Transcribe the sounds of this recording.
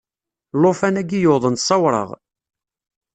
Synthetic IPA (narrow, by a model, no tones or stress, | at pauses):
lofænæɡijoðˤənsˤɑwɾˤə̰ʁ